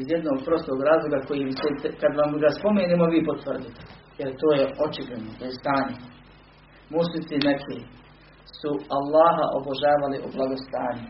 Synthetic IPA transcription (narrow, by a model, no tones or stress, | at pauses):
izjed̪noːɡ̚pɾo̞st̪o̞ːɡɾaːzlˠoɡako̞jimt͡ɕet̪kad̪ʋamɡaspo̞meːneːmoʋiːpot̪ʋərd̪it̪e̥jeɾt̪o̞ːjeot͡ʃibled̪nod̪ajest̪aːɲe | muslit̪sinekʰe | sualːaːɦa̰ʔoboʒaːʋaliʔublaɡo̞st̪aːɲu